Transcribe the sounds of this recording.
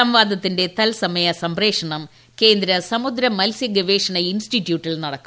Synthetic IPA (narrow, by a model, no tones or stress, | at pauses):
ɐmʋaːd̪ɐt̪ːinde̞t̪ɐlsɐmɐjɐsɐmbɾeːkʂɐɳɐm | ke̞ːnd̪ɾɐsɐmud̪ɾɐmɐlsjɐɡeʋeːʂɐɳɐinsʈitːjuːʈːilnɐɽɐkːu